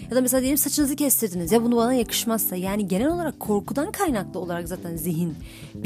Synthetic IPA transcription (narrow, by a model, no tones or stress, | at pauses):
jad̪amesead̪ijelʲimsat͡ʃʰɯnɯzɯcʰɛst̪ʰiɾd̪inizjabunubanajakʰɯ̥ʃmazsajaːniɟe̞nɛlʲo̞lˠaɾakʰːo̞ɾkud̪ankʰajnaklˠɯo̞lˠaɾakzaːt̪ʰænziɦin | b